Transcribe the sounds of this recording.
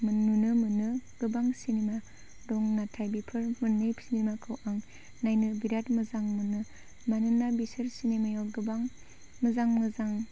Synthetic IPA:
mnunɯmɯnɯɡ̥ɯbaŋsinema | dɔŋnatʰajbipʰɯɾmɯnːɯjpʰi̥sinemakʰɯwʔaŋ | najnɯbiɾatmɯzaŋmɯnɯ | manɯnːabisɯɾsinemajaɡɯbaŋ | mɯzaŋmɯzaŋ

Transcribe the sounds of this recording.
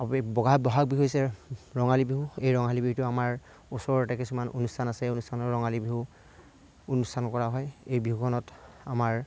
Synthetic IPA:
aibɔɡʱabɔɦak̚biɦojsɛɹɔŋalibiɦuejɹɔŋɦalibiɦutʊamaɹ | osɔɹɔtakisumanʔonustʰanasɛejonustʰanɔɹɔŋalibiɦu | onustʰankɔɹaɦɔjejbiɦukʰɔnɔt | a̰maɹ

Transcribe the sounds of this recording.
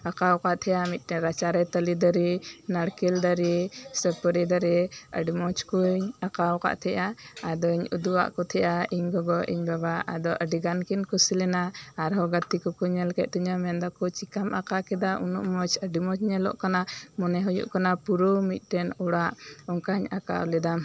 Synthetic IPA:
əkawkaʔt̪ʰɛjamit̪̚ˀʈɛnɾat͡ʃaɾɛt̪əlid̪əɾinaɽkild̪əɾisəpəɾid̪əɾɛə̰ɖimɔt͡ʃkuɲakawka̰ʔt̪ʰɛʔaːd̪ɔiɲud̪uwa̰ʔkɔt̪ʰɛʔaiɲɡɔɡɔʔḭɲbaβaʔa̰d̪ɔʔəɖiɡankinkusilɛnaaɾɦɔɡat̪ikɔkuɲɛlkɛt̪̚t̪uɲamɛnd̪ɔkɔt͡ʃikamʔakakɛd̪aʔunṵʔmɔt͡ʃəɖimɔt͡ʃɲɛlɔ̰ʔkanamɔnɛɦujṵʔkanapuɾɔmit̪̚ˀʈɛnuɽaʔɔŋkaɲa̰ka̰wlɛd̪am

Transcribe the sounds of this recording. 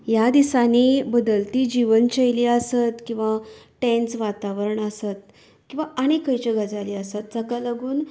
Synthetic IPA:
jad̪isaniːbəd̪əlt̪iːd͡ʑiʋənt͡ɕejliəsət̪kĩw̃ʋaʈɛ̃nt͡sʋat̪aʋəɾəɳəsat̪̚ | kĩw̃ʋaʔaɽ̃ikəjt͡ɕəɡəd͡zaliəsat̪̚t͡səkalaɡuːn

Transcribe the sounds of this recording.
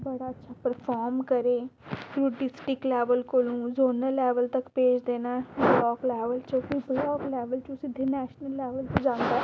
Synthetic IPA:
bəɽaːətːʃʰaːpəɾpʰɔːɾmkəɾẽːkʰɾuːɖɪsʈɪklɛːʋəlkolũːzoːnəlɛːʋəlt̪əkpeːd͡ʒd̪eːnaːɛblɔːklɛːʋəlt͡ʃokiblɔːklɛːʋəlt͡ʃːsɪd̪ʱenɛːʃnəlːɛːʋəlt̪od͡ʒãːnd̪aːɛ

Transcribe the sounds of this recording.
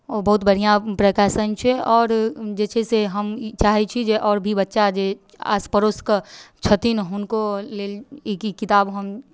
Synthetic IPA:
obəɦut̪bəɽ̤ijãpɾəkaːʃənt͡ʃʰɛɔːɾd͡ʒeːt͡ʃʰeseɦəmt͡ʃaːɦɛt͡ʃʰid͡ʒeʔɔːɾbʱibətːʃad͡ʒe | a̰ːspəɾoskət͡ʃʰət̪inɦʊnkolelekikit̪aːbɦəm

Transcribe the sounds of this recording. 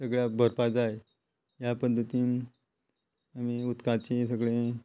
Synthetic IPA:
səɡɭjabʱəɾpad͡zaje | japəd̪ʱːət̪iːn | amiut̪kat͡ɕisəɡɭẽ

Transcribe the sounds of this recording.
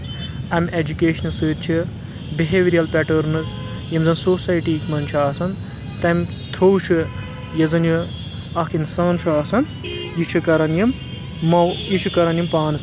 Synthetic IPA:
ɐmʲed͡ʒukeːʃɐnɐlsɨːt̪̚t͡ʃʰi | biɦeːʋiɾijɐlpʲɛʈɐɾnɨz | jimʲzɐnsoːsɐːjʈiːkmɐnt͡ʃʰaːsɐn | t̪ɐmʲ | t̪ʰoːwʃʰɨ | jɐzɐnju | ɐkʰinsaːnt͡ʃʰuaːsɐn | jit͡ʃʰɨkɐɾɐnjimː | ɐwjit͡ʃʰukɐɾɐnjimpaːnɨs

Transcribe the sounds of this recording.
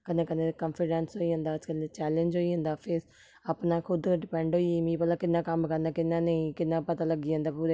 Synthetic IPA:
kənẽːkəneːkə̃mpʰɪɖɛnsɦoːiːɦʊ̃nd̪aːd͡ʒkəlet͡ʃɛːlə̃ɲd͡ʒɦoːiːɦʊ̃nd̪aːpʰɪɾ | apnaːkʰʊd̪kːɖɪpɛ̃ːɳɖɦoːiimĩːpəlaːkɪnːãːkəmkəɾnd̪aːkɪnːãːnəĩːkɪnːãːpət̪aːləɡiːə̃nd̪aːpuːɾeː

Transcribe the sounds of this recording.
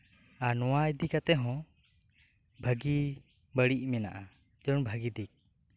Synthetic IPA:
anɔwajd̪ikat̪ɛɦɔ̃ | bʱəɡi | bəɽiʔ̚mɛna̰ʔa | d͡ʒɔnbʱəɡid̪ik̚

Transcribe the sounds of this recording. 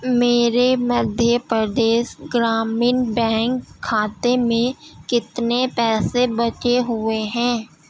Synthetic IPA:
meːɾeməd̪ʱjəpɾəd̪eːʃɡɾaːmiːnbɛ̃ːŋkʰːaːt̪emẽkɪt̪nepɛːsebət͡ʃeɦʊeɦɛ̃ː

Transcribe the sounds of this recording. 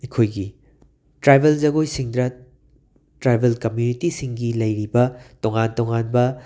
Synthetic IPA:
ikʰojɡi | tɾajbʱeld͡ʒɐɡojsiŋdɾɐ | tɾajbʱelkɐmjunitisiŋɡilɐjɾibɐtoŋantoŋanbɐ

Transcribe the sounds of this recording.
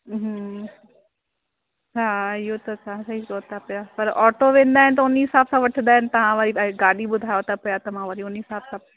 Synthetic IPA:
ɦ | ɦaːɪɦot̪ɐt͡ʃʰãsɐɦikoːt̪apɐjapɐɾʔɔːʈoʋẽːnd̪aːɦɪnɪt̪ɐʊniɦɪsaːbsãʋɐʈʰɪnd̪aːɦɪnɪ̆t̪ɐʋ̤ãʋaɾiɡaːɽiɓʊd̪ʱaːjot̪apɐjat̪ɐmãʋaːɾiʊniɦɪsaːbsã

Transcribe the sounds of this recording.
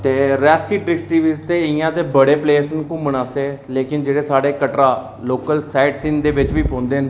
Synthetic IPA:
t̪eːɾɛːsiːɖɾɪsʈiːʋɪd͡ʒt̪eːɪjãːt̪eːbəɽeːpleːsənkũːmənaːseːleːkɪnd͡ʒeːɽeːsaːɽeːkəʈɾaː | loːkəlsaːɪɖsɪ̃ŋd̪eːʋɪt͡ʃʋiːpõːnd̪eːɦn

